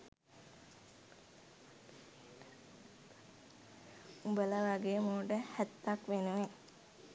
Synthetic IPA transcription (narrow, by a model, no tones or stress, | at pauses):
ubələʋaɡejəmoːɖəhæt̪ːakʋenuʋe